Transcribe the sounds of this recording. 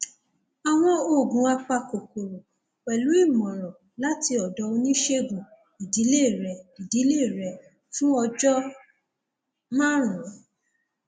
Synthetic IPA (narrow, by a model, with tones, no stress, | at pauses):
a˨w̃ɔ̃˧o˦˨ɡũ˨a˧k͡pa˧ko˨ko˨ɾo˨ | k͡pɛ˨lu˨˦i˦˨mɔ̃˨ɾ̃ɔ̃˨ | la˨˦ti˧ɔ˨dɔ˨˧˦o˧nĩ˦ʃe˦ɡũ̥˨ | i˨di˨˦le˦˨ɾɛ˨di˨di˨˦le˦˨ɾɛ˨ | fũ˦ɔ˧d͡ʒɔ˦ | mã˦ɾ̃ũ˨˦